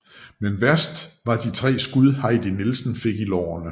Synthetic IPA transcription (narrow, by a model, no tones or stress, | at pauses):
menʋæɐsd̥ʋɑ̈d̥it͡sʰʁɛ̰ːsɡ̥uðˠhɑ̈ɪd̥inilsn̩fe̝ɡ̥ilɒ̰ːɐnə